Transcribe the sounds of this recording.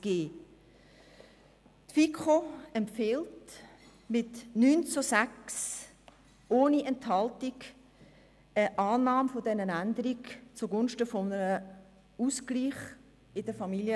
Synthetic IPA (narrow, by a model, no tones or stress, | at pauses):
ɡ̥eː | tfikχoɛmpfɪlt | mɪtnyːnt͡sosæks | oːniɛnthɑltiɡ | əʔɑːnɑːmfodɛnənændəɾikt͡suɡʊnʃtəfɔnəɾə | uskliːχ | ɪdəfɑmiljə